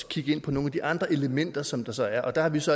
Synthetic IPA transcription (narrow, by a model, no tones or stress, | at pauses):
kʰiɡ̥əe̝n̰pʰɒno̝ːn̩æd̥iʔɑ̈nd̥ʁɐʔe̝ləmen̰d̥ɐsɒ̽md̥ɑ̈sɒ̽æɐʔɒ̽d̥ɑ̈hɑ̈ʋisɒ̽